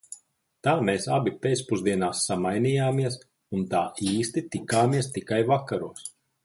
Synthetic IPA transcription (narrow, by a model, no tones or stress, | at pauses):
t̪aːmeːsabipeːt̪spuzd̪iɛnaːsːamajnijaːmiɛs | unt̪aːiːst̪it̪ikaːmiɛst̪ikajvakːaɾuɔs